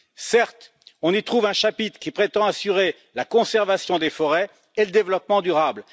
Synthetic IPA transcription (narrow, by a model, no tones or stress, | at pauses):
sɛʁt̪ | ɔ̃nit̪χuvɛ̃ʃapit̪χkʲipχet̪ɑ̃asyʁe | lakɔ̃sɛʁvasjɔ̃d̪efɔʁɛ | eləd̪evlɔp̚mɑ̃d̪yʁabl